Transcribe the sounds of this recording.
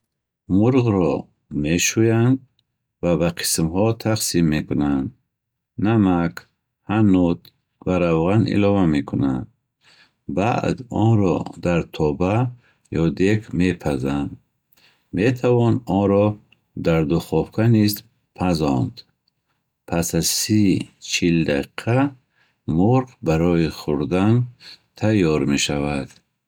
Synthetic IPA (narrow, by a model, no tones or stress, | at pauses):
muɾʁɾɔ | meʃujand̪ | vabaqʰi̥smhɔt̪ʰaqsimːekunand̪ | namak | hanut̪ | vaɾavʁanḭlɔvamekʰuna̰nd̪ | baʔd̪ɔnɾɔ̰d̪aɾt̪ʰɔba | jɔd̪ekʰmepʰazand̪ | met̪ʰavɔnɔnɾɔ | d̪aɾd̪uχɔfkʰaniz | pʰazɔnd̪ | pʰasazsit͡ʃʰild̪aiqʰa | muɾqbaɾɔiχuɾd̪ant̪ʰajːɔɾmeʃavad̪̥